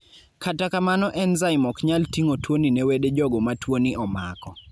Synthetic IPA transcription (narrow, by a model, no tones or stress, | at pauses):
kʰatakamanɔʔɛnzaɪmɔkɲaltiŋotwoninɛweded͡ʒɔɡɔmatwoniʔɔma̰kɔ